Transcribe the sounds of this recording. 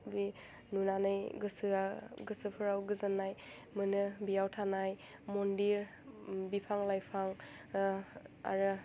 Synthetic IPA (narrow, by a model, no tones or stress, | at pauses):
bi | nunanɯjɡɯsɯaɡɯsɯpʰɯɾawɡɯzɯnːaj | mɯnɯbijawtʰanaj | mɔndiɾ | bipʰaŋlajpʰaŋ | a̰ɾɯ